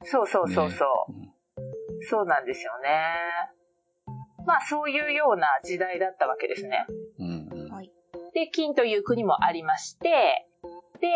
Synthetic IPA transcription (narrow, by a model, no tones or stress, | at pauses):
so̞ːso̞ːso̞ːso̞̰ː | so̞ːnãnd̪e̞sɨjo̞ne̞ | maːso̞ːjɯ̟ːjo̞ːnaʑid̪aid̪at̪ːaβake̞̰d̪e̞̰sɨne̞̰ | d̪̥e̞kʲĩnt̪o̞jɯ̟ːkɯ̟ɲ̟imo̞̰ʔaɾʲimaɕi̥t̪e̞ | d̪̥e̞